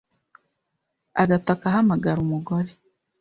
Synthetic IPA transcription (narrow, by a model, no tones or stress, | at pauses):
aɡatakaɦamaɡaɾumuɡoɾe